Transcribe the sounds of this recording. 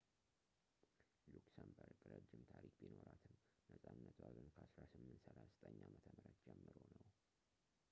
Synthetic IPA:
luksambəɾkʼɨɾəd͡ʒːɪmt̪ʰaɾikbino̞ɾat̪ʰɨm | nəsʼanːət̪ʰwaɡənkʰəasɾasɨmːɨnt̪səlazt̪ʼəɲːamət̪ʰəməɾat̪d͡ʒɛmːɨɾonəw

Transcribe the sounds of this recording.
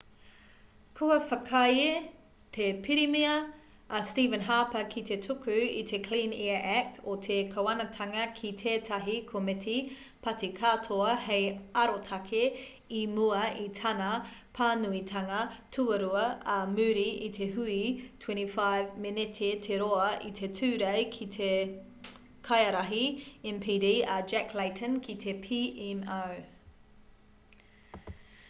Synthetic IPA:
kʰoɐfɐkʰɐje | tʰepʰiɾimiɐː | stiːvə̃nɦaːpɐkʰitetʰukʰʉḭtʰekʰl̥ĩːnɛəʔæk̚tʰotʰekʰɐwɐnɐtʰɐŋɐkʰitʰeːtʰɐɦikʰometʰi | pɐtikʰaːtʰoɐhejɐɾotʰɐkʰe | imuɐitʰɐnɐpʰaːnuitʰɐŋɐtʰuɐɾuɐɐmʉːɾiʔit̪ʰeɦʉitʰw̥ɛ̃ntifajvmɪnetʰetʰeɾoɐʔḭt̪ʰetʰʉːɾejkʰit̪ʰe | kʰɐjɐɾɐɦiɛ̃mpʰiːdiːɐd͡ʒɛklajtʰə̃nkʰitʰepʰiʔɛmaw

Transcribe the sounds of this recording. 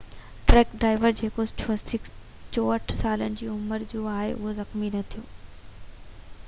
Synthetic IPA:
ʈɾɛːkɖɾaːɪʋəɾd͡ʑeːkot͡ɕʰɪk | t͡ɕoːəʈʰsaːlənɪ̆d͡ʑiːʊməɾd͡ʑoːaːɦḛʔʊɦozɐxminɐt̪ʰijoː

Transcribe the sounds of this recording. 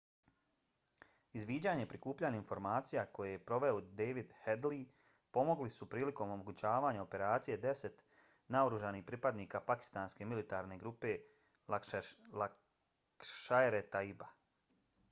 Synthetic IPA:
izʋiːd͡ʑaːɲe̞pɾikuːpʎaːɲainfo̞ɾmaːt̪sijako̞jejepɾo̞ʋe̞od̪eːʋid̪hed̪li | po̞mo̞ɡlisupɾiːliko̞momo̞ɡut͡ɕaːʋaːɲao̞pe̞ɾaːt̪sije̞d̪e̞se̞t̪ | naoɾuʒaniːçpɾipad̪niːkapaki̥st̪aːnske̞milit̪aːɾne̞ɡɾupe̞ | kʃaeɾet̪aiba

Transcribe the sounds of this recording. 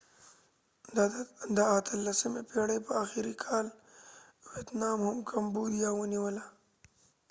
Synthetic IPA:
d̪əat̪ʰəlːasəmepeɽəpəaxɪɾikʰɑl | wet̪nɑmhʊmkʰambud̪jawəniwəla

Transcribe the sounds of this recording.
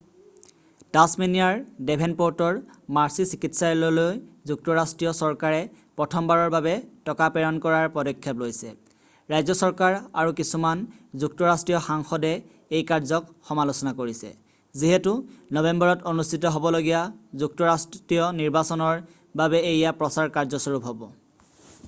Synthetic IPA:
tasminijaɹdɛpʰɛnpɔɹtɔɹmaɹsisikitʰsalɔlojzuk̚tɔɹastɹijɔsɔɹkaɹɛpɹɔtʰɔmbaɹɔɹbabɛtɔkapɛɹɔnkɔɹaɹpɔdɔkʰːɛplojsɛ̰ | ɹajzɔsɔɹkaɹaɹukisumanzuk̚tɔɹastɹijɔxaŋxɔdɛ | ejkaɹzɔkxɔmalosɔnakoɹisɛ̰ | ziɦɛtunɔbembɔɹɔtonustitɔɦɔbɔloɡijazuk̚tɔɹasttɹijɔniɹbasɔnɔɹ | babɛejjapɹɔsaɹkaɹzɔsɔɹupɦɔbɔ

